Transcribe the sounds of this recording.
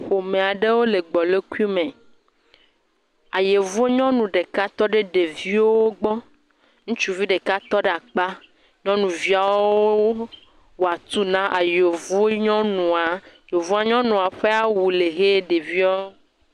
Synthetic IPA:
ɸo˨mẽ˨a˨ɖe˦wo˦le˨ɡ͡bɔ˨le˦ku˦i˦mẽ˨ | a˨je˨vu˦e˦ɲɔ̃˦nũ˨ɖe˨ka˦t̪ɔ˦ɖe˦ɖe˨vi˦owwo˦ɡ͡bɔ˦ | ŋũ˦t͡ʃu˦vi˦ɖe˨ka˦t̪ɔ˦ɖe˦a˨k͡pa˦ | ɲɔ̃˦nũ˨vi˦a˨wwwoo˦ | wa˨t̪u˦nã˦ʔa˨je˨o˨vu˦e˦ɲɔ̃˦nũ˨a˨je˨vu˦a˦ɲɔ̃˦nũ˨a˨ɸe˦a˦wu˨le˨ɣe˦ɖe˨vi˦a˦o˦

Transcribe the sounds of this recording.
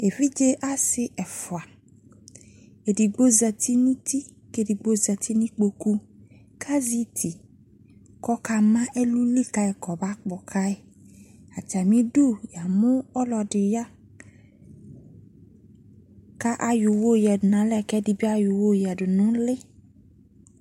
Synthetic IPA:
e˨vi˦d͡ʒe˦ʔa˦sɪ˨ʔɛ˨fʊ˨a˨ | e˨di˨ɡ͡bo˦zɛ˨t̪ʰi˦nĩ˦t̪i˦ | ke˦˨di˨ɡ͡bo˦zɛ˨t̪ʰi˦nĩ˦k͡po˨ku˦ | kʰa˦zi˦t̪ʰi˨ | kɔ˦ka˦mã˦ʔe˦lu˦li˦ka˦e˨kɔ˨ba˦k͡pɔ˨kʰa˦e˨ | a˨t̪i˨a˨mĩ˦du˦ja˨mʊ̃˦ɔ˦lɔ˨ɖɪ˨ja˦ | ka˦ʔa˦ju˨wo˦˨jɛ˨dʊ˨nã˨˦lɛ˦˨kɛ˦di˨bi˦a˦ju˨wo˦˨jɛ˨dʊ˨nʊ̃˦lɪ˦

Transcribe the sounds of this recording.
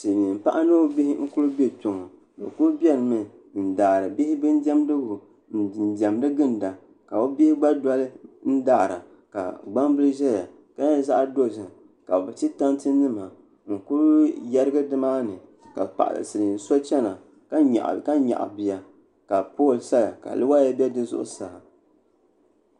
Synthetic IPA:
se˨mi˨m̩˨pa˦ʔa˦nɨ˦bi˦hɪ˦ŋ̩˦ku˦lʊ˦be˦tʊ˨ŋɔ˨ | bɨ̰˨ku˦lbi˦ɛ˦˨lmɨ˨ | n̩˨daː˨ɾɨ˨bɪ˦hɪ˦bɨ˦n˦dɛ˦m˦dɨ˦ɡʊ˨ | n̩˨n̩˨dɛ˨mdɨ˦ɡɨ˦nda˨ | ka˨o˦bɪ˦hɪ˦ɡ͡ba˦da˦lɨ˦n̩˦daː˨ɾa̰˨ | ka̰˨ɡ͡ba˦mbɨ˦lɨ˦ʒɛ˦ja˨ | ka˦ɲa˦za˦ʔdo˦˨zɨ˨ | ka˨bɛ˨t͡ʃi˦ta˦ntɨ˦nɨ˦ma˨ | ŋ̩˨ku˦ɾjɛ˦ɾɨ˦ɡɨ˦dɨ˦maː˦nɨ˨ | ka̰˨pa̰˨ʔa̰˨lɨ̰˨sɨ˨lɨ˨n̩˨so˦t͡ʃɛ˦na˨ | ka˦ɲa̰˨ʔka˦ɲa̰˨ʔa̰˨bi˨ja˨ | ka˨poː˦˨lsa˦la̰˨ka̰˨lɨ˦wa˦ja˦bɛ˦dɨ˦zʊ̰˦ʔʊ̰˦sa˨ha˨

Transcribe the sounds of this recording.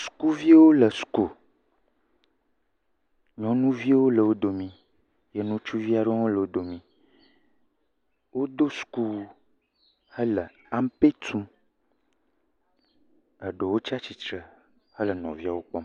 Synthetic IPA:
su̥˨ku˦vi˦wo˦lə˨su̥˨ko˨ | ɲɔ̃˦nũ˦vi˦a˦wo˦lə˨wo˦d̪o˨mĩ˨ | je˨nũ˦t͡ʃu˦vi˦a˨ɖo˦a˦o˦lə˨wo˦d̪o˨mĩ˨ | wo˦d̪o˦su̥˨ku˦ | hə˦lə˨ | a˦m˦pe˦t̪ʰu˦m | ə˨ɖo˨wo˦t͡ʃi˦a˦t͡ɕi˨t̪ɾə˨ | hə˦lə˨nɔ̰̃˨vi˦a˨wo˦k͡pɔ˦m

